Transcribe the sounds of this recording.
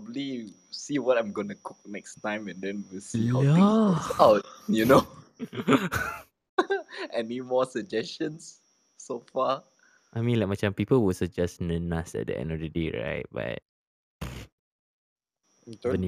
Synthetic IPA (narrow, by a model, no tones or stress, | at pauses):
pɔbəbli | siwɔtãɪ̃mɡonukʰuk̚nɛkstãɪ̃mɛ̃ndɛ̃nwilsiaasaʊt̚juno | ʔɛnimɔsəd͡ʒɛstə̃nsː | ofa | ʔajmĩnlak̚mat͡ʃãmpipəlwisɔd͡ʒɛsnənasɛ̰t̚də̰ʔɛ̰̃nɔfdədeɹa̰ɪt̚ba̰t̚ | n